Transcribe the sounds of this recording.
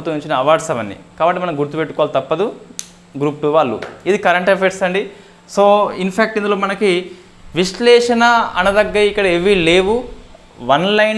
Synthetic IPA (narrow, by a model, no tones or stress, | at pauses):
ut̪unuɲt͡ʃinɐɐʋaːɖsɐʋɐnːḭkaːbɐʈːimɐnɐmɡuɾt̪upe̞ʈːukɔʋalut̪ɐpːɐd̪u | ɡɾuːp̚ʈuʋaːɭːṵid̪ikɐɾɐɳʈepʰekʈsɐɳɖi | soːinpʰaːk̚ʈind̪uloːmɐnɐki | ʋiʃlɛːʂɐnɐɐnɐd̪ɐɡːɐɾiikːɐɽɐeʋile̞ːʋu | ʋɐnlɐjn